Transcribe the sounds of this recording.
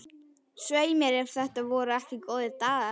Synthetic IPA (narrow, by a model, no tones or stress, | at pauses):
sveːjmɛɾɛfθɛht̪avɔːɾʏɛhcɪkoːwðɪt̪aːða